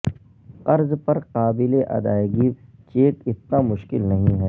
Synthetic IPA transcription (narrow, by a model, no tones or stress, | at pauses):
qɐɾzpɐɾqaːbɪleʔɐ̰d̪aːjɡit͡ʃeːkɪt̪namʊʃkɪlnɐɦĩɦɛː